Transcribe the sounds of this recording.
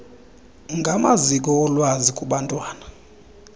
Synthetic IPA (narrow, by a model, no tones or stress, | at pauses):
ŋɡʱamazik̬ɔɔlwazikʼuɓantʼwaːna